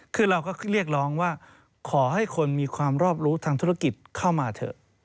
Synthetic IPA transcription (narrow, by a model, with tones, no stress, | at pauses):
kʰɯː˧ɾa˧wkɔː˥˩ɾi˥˩ək̚ɾɔː˦˥ŋwaː˥˩ | kʰɔː˩˦ha˥˩jkʰo˧nmiː˧kʰwaː˧mɾɔː˥˩p̚ɾuː˦˥t̪ʰaː˧ŋt̪ʰu˦˥a˥˩ki˨˩t̪̚kʰa˥˩wmaː˧t̪ʰɤ̰˨˩ʔ